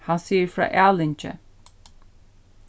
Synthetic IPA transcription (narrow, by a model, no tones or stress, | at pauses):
hansiːɹfɾa̰ːʔɛlɪnt͡ʃə̰